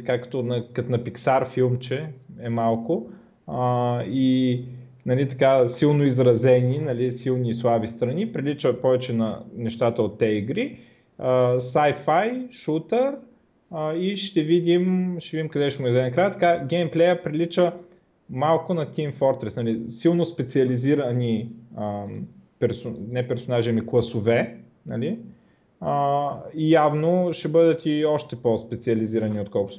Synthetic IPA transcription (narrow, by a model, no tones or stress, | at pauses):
t̪ɐkakːə̥t̪ɔnɐkɐt̪nɐpiksaɾfilˠmt͡ʃɛɛmalˠkʊ | əi | nɐlit̪ɐ̥kasilˠnoizɾɐzɛninɐlisilˠnislˠabist̪ɾɐnipɾilit͡ʃəpɔvɛt͡ʃɛnɐnɛʃt̪at̪əot̪ːɛiɡɾi | əsajfajʃut̪əɾ | əiʃt̪ɛvid̪ʲimʃɛvid̪ʲimkɐd̪ɛʃɛmʊd̪ɛnɐkɾajət̪ɐ̥kaɡɛmplɛjəpɾilit͡ʃə | malˠkʊnɐt̪ʲinfɔɾt̪ɾɛsnɐlisilˠnospɛt̪siɐliziɾəniəpɛɾsonɛpɛɾsonaʒiɐmiklˠɐsovɛ | nɐli | əijavnoʃɛbɤd̪ət̪iɔʃt̪ɛpospɛt̪siɐliziɾɐniot̪kɔlˠkʊs